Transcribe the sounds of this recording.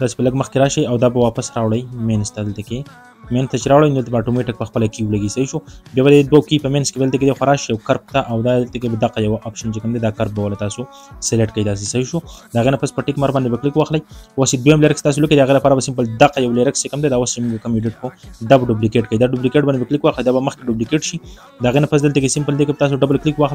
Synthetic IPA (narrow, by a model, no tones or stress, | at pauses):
t̪ɑse̥pələɡməxkeɾɑʃəjawd̪ɑbawɑpasɾɑwɽajmenst̪ad̪əlt̪ake | menst̪at͡ʃeɾawɽajnd̪əlt̪abːʈomeʈɪk̚pəxpəlakiwlaɡisaiʃubjɑbad̪əed̪wakipəmenskebad̪lt̪aked̪exwaɾɑʃjawkaɾp̚t̪aʔawd̪ad̪əlt̪akebad̪aqajawʔapʃant͡ʃekamd̪ed̪ɑkaɾp̚bawalat̪ɑso | seleʈkajd̪ɑs̬esaiʃud̪əaɣenapaspəʈɪkmaɾbɑnd̪ebaklɪkwɑxlajwased̪wojamleɾɪkst̪ɑs̬oləkid̪aɣelapɑɾabasɪmpəld̪aqajawleɾɪkst͡ʃekamd̪ed̪awast͡ʃemuŋɡakamjuɖɪʈ̚kod̪abaɖublikeʈkajd̪aɖublikeʈ̚bɑnd̪ebaklɪkwɑxlajd̪abaməxkeɖublikeʈʃi | d̪əaɣenapas̬d̪əlt̪akesɪmpəld̪ekebt̪ɑs̬oɖabəlklɪkwɑxla